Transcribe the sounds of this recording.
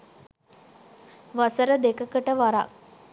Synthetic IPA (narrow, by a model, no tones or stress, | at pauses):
ʋasəɾəd̪ekəkəʈəʋaɾa̰k̚